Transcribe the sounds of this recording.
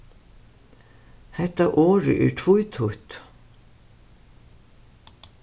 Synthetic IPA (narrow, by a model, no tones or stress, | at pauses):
hɛht̪ːaʔɔːɾʏ̰ʔɛ̰ɾ̥t̪ʰvujt̪ʰuht̪